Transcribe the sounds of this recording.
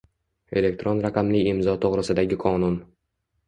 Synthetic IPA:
e̞le̞k̚ʲt̪ɾonɾaqʰɑmlɪɪmzɒt̪ʰoʁɾɪsɪd̪aɡʲɪqʰɒnʊn

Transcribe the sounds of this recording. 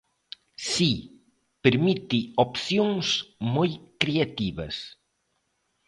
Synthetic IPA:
si | peɾmit̪iopθjõŋsmojkɾiat̪iβɐ̰s

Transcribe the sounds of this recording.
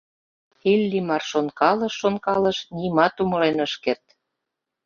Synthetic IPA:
xilʲːimɑrʃonkɑlɤ̆ʃːonkɑlə̆ʃnimɑt̪umɤ̆lenəʃkert̪

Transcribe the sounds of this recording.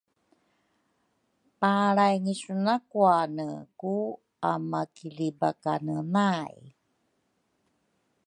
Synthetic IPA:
paɾajŋisunakuanə̰ku | amakilibakanənaj

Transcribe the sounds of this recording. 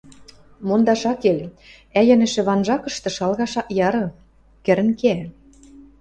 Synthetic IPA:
mond̪ɑʃɑkelʲ | æjænɘ̆ʃĕβɑnʒɑkɤ̆ʃt̪ɤ̆ʃɑlɣɑʃɑʔjɑɾɤ̆ | kɘ̆ɾɘ̆nkeæ

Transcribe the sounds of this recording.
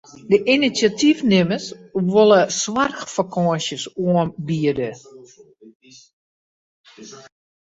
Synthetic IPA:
dəʔinisjatʰifnɪməsʋoləswarxfakʰɔəsjəsuəmbiədə

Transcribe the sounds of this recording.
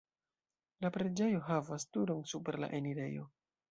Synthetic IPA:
lapɾe̞d͡ʒe̞jo̞ɦavastuɾoŋsupe̞ɾla̰ʔe̞niɾe̞jo̞̰

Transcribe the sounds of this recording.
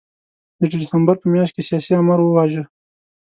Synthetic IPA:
d̪̥əɖdɪsambaɾpəmjɑʃt̪̚kesijɑsiamaɾwəwɑʒə

